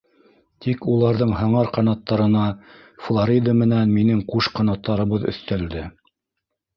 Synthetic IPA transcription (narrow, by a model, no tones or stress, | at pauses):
t̪ikulˠɑɾðɤɴɦɤ̆ɴɑɾqɑnɑt̪ːɑɾɤ̆nɑ | flˠoɾʲid̪əmɘ̆nænminɘŋquʃqɑnɑt̪ːɑɾɤ̆βɤðɵ̰̆θt̪æld̪ɘ